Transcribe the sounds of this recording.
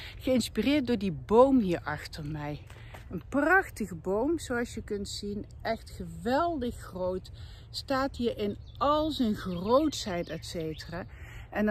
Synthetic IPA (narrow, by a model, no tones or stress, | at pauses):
χəɪnspirɪːrt̚dʊːɹdibowmɦiːɹʔɑχtəɹmɛj | ənprɑχtəɣəbowmzowɑsjəkɵntsinʔɛχtχəʋɛlˠdəχxrowt | staːtɦiːɹɪn | ɑlˠzənɣrowtsɛjtɛtsejtəraːʔɛn